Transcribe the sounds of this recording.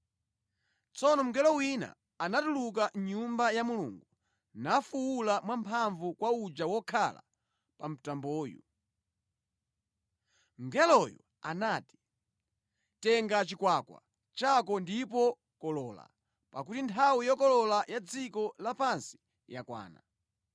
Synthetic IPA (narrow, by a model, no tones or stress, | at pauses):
t͡sɔnɔm̩ɡɛlɔwina̰ | anatuluk̬aɲumbajamulṵːŋɡu | nafuulamwampʰaɱvukwaud͡ʒawɔkʰala̰ | pam̩tambɔːjṵ | ŋ̩ɡɛlɔjɔ̰ | anati̥ | tɛŋɡat͡ʃikwakwa̰ | t͡ʃakɔndip̬ɔ | kɔlɔːla̰ | pak̬utintʰawijɔkɔlɔlajad͡zikɔlapansi̥ | jakwa̰ːna